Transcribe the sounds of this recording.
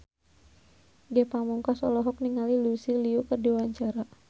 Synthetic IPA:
ɡɛpamuŋkasɔlɔɦɔk̚niŋalilusiliukərdiwaɲt͡ʃaɾa

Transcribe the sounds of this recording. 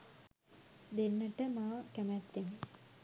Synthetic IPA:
d̪enːəʈəmaːkæmæt̪ːeni

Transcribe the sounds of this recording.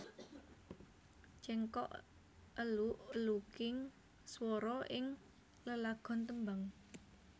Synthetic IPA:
t͡ʃɛŋkɔ̰ʔ | əluʔlukɪŋ | swɔɾɔʔɪŋ | ləlaɡ̥ɔ̤nt̪əmbaŋ

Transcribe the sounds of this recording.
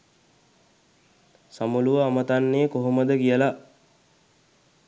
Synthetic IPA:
samuluʋəamət̪anːeːkoɦoməd̪əkijəla

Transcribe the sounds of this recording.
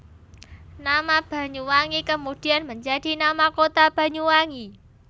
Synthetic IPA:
namab̥a̤ɲuwaŋikəmud̥ianməɲd͡ʒadi̤namakot̪ab̥a̤ɲuwaŋi

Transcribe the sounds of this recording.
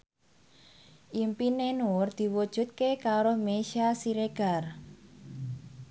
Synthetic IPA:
ʔimpinenuʊrd̪̥i̤wud̥ʒ̥ṳt̪̚kekaɾɔhmeʃasiɾeɡ̥a̤r

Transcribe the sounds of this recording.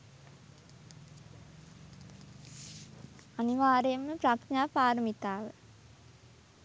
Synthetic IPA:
aniʋaːɾejəmːəpɾakɲaːpaːɾəmit̪aːʋə

